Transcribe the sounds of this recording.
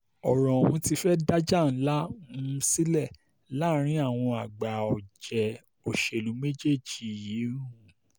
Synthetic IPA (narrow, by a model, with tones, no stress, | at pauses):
ɔ˨ɾɔ̃˨wũ˧ti˧fɛ˦da˦d͡ʒa˦˨n̩˦la˦ũ˧˦˧si˦lɛ˦˨ | la˦ɾ̃ĩ˦a˦˨w̃ɔ̃˧a˨ɡ͡ba˨ɔ˨d͡ʒɛ˨ | o˨ʃe˨lu˨˦me˦d͡ʒe˦˨d͡ʒi˨ji˨˦ɾũ˦˨